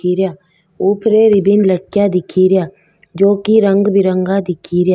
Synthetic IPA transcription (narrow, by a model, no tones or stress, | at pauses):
iɾjaː | uːpʰɾeɾɪbɪnləʈ̚kjad̪ɪkʰiːɾɪjaː | d͡ʒoːkiɾə̃ŋɡbɪɾə̃ŋɡad̪ɪkʰiːɾjaː